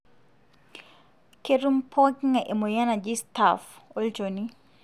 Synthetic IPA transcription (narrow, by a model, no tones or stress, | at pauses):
keɾumpʰɔkiŋaʔɛmɔjanad͡ʒistafɔlt͡ʃoni